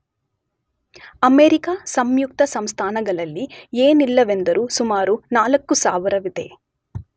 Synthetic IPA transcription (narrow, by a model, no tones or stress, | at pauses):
ɐmeːɾikasɐmjuk̚t̪ɐsɐmst̪ʰaːnɐɡɐɭɐlːieːnilːɐʋend̪ɐɾusumaːɾunaːlɐkːusaːʋɐɾɐʋid̪ḛː